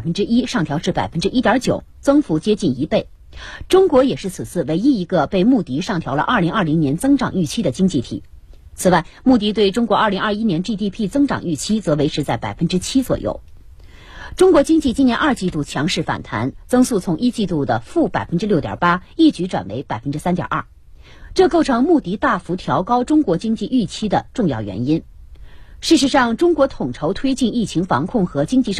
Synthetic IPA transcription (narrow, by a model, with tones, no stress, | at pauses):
fə˥nʈ͡ʂɻ̩˥i˥ʂɑ˥˩ŋt̪ʰjɑ˧˥ʊʈ͡ʂɻ̩˥˩pa˨˩ɪfə˥nʈ͡ʂɻ̩˥ʔi˥t̪jɐ˞˧˥t͡ɕjo˨˩ʊt͡sɤ˥ŋfu˧˥t͡ɕjɛ˥t͡ɕi˥˩ni˧˥pe˥˩ɪ | ʈ͡ʂʊ˥ŋkwɔ˧˥jɛ˨˩ʂɻ̩˥˩t͡sʰɹ̩˨˩t͡sʰɹ̩˥˩we˧˥ɪi˥i˧˥ɡə˧pe˥˧ɪmu˥˩t̪i˧˥ʂɑ˥˩ŋt̪ʰjɑ˧˥ʊlə̰˧ʔɐ˥˩li˧˥ŋɐ˞˥˩li˧˥ŋnjɛ˧˥nt͡sɤ˥ŋʈ͡ʂɑ˨˩ŋy˥˩t͡ɕʰi˥d̪ə˨t͡ɕi˥ŋt͡ɕi˥˩t̪ʰḭ˨˩˦ | t͡sʰɹ̩˨˩wa˥˩ɪmu˥˧t̪̬i˥˧t̪we˥˩ɪʈ͡ʂʊ˥ŋkwɔ˧˥ɐ˞˥˩li˧˥ŋɐ˞˥˧i˥njɛ˧˥nt̪i˥˧t̪i˥˧pʰi˥˩t͡sɤ˥ŋʈ͡ʂɑ̰˨˩ŋy˥˩t͡ɕʰi˥t͡sɤ˧˥we˧˥ɪʈ͡ʂʰʂʰɻ̩˧˥t͡sa˥˩ɪpa̰˨˩ɪfə˥nʈ͡ʂɻ̩˥t͡ɕʰi˥t͡swɔ̰˨˩jo̰˥˩ʊ | ʈ͡ʂʊ˥ŋkwɔ˧˥t͡ɕi˥ŋt͡ɕi˥˩t͡ɕi˥njɛ˧˥nʔɐ˞˥˧t͡ɕi˥˧t̪u˥˩t͡ɕʰjɑ˧˥ŋʂɻ̩˥˩fa̰˨˩nt̪ʰa̰˧˥nt͡sɤ˥ŋsu˥˩t͡sʰʊ˧˥ŋʔi˥t͡ɕi˥˧t̪u˥˩d̪ə̰˩fu˥˩pa̰˨˩ɪfə˥nʈ͡ʂɻ̩˥ljo˥˩ʊt̪jɑ̰˨˩pa˥i˥˩t͡ɕy˧˥ʈ͡ʂwa̰˨˩nwe˧˥ɪpa˨˩ɪfə˥nʈ͡ʂɻ̩˥sa˥nt̪j̰ʔɐ̰˥˩ | ʈ͡ʂɤ˥˧ko˥˩ʊʈ͡ʂʰɤ˧˥ŋmu˥˩t̪i˧˥t̪a˥˩fu˧˥t̪ʰjɑ˧˥ʊkɑ˥ʊʈ͡ʂʊ˥ŋkwɔ˧˥t͡ɕi˥ŋt͡ɕi˥˧ʔy˥˩t͡ɕʰi˥d̪ə˨ʈ͡ʂʊ˥˧ŋjɑ̰˥˩ʊɥɛ̰˧˥ni˥n | ʂɻ̩˥˩ʂ̬ɻ̩˧˥ʂɑ˥˩ŋʈ͡ʂʊ˥ŋkwɔ˧˥t̪ʰʊ˨˩ŋʈ͡ʂʰo˧˥ʊt̪ʰwe˥ɪt͡ɕi˥˧ni˥˩t͡ɕʰi˧˥ŋfɑ̰˧˥ŋkʰʊ˥˩ŋxɤ˧˥t͡ɕi˥ŋt͡ɕi˥˧ʂ